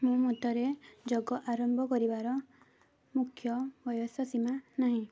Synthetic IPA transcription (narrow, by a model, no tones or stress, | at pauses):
mũmut̪ɔɾed͡ʒɔɡɔʔaɾɔmbʱɔkɔɾibaɾɔ | mukʰjɔbɔjɔsɔsimanaɦĩ